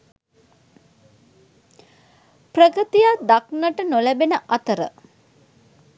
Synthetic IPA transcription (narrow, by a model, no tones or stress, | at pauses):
prəkət̪ijad̪aknəʈənolæbenəʔɐt̪əɾə̰